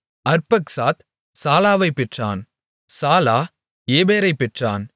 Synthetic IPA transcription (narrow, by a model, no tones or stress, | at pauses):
ɐɾpɐksaːt̪ | saːlaːʋɐɪpːɛʈra̰ːn | saːlaː | eːbeːɾɐɪpːɛʈra̰ːn